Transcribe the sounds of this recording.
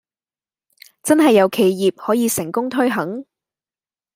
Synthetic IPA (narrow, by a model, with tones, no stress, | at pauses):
t͡sɐ˥nɦɐ˨jːɐ˨˧wkʰe˨˩jːiː˨p̚hɔː˨˥jiː˨˧sɪ˨˩ŋkʊ˥ŋt̪ʰɵ˥ɥɦɐ˨˥ŋ